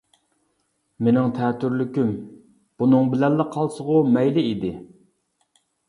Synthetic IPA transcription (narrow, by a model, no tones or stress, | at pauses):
menɪŋt̪ʰɛːt̪ʰyɾlykʲym | b̥unɨŋbɪlɛlːɨqʰɑlˠsəʁʊmɛjlɪid̪ɪ